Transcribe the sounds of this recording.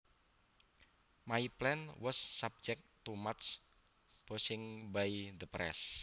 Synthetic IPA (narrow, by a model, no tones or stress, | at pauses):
maiplɛnwɔsːab̚d͡ʒɛk̚t̪umatt͡ʃ | b̥ɔsɪŋbajd̪əpɾɛ̰s